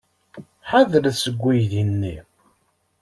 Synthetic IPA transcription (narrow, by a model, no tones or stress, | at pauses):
ħaðəɾsəɡʷːijðinːi